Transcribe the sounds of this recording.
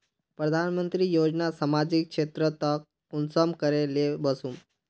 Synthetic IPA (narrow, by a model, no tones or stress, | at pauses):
pɾəd̪ʱanmənt̪ɾiːjod͡ʑnasamad͡ʑikʂet̪ɾət̪ək̚ | unsəmkəɾelebəsuːm